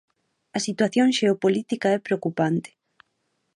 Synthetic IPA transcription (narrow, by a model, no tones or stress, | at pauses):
ɐsit̪waθjoŋʃeopolit̪ikaɛpɾeokupant̪ɪ̥